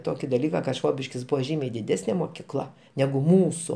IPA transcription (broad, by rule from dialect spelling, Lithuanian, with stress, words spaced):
ˈtoːkʲɪ dɐˈlʲiːkɐ kɐ ˈʃʋoːbʲɪʃʲkʲɪs ˈbʊʋoː ˈʒʲiːmʲɛɪ dʲɪˈdʲæːsʲnʲeː moːkʲiːˈklˠɐ nʲɛɡʊ ˈmuːsʊ